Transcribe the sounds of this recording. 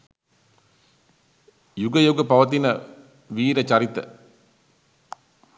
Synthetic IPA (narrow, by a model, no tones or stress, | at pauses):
juɡəjoɡɐpɐʋɐt̪inɐ | ʋiːɾɐt͡ʃɐɾit̪ə̰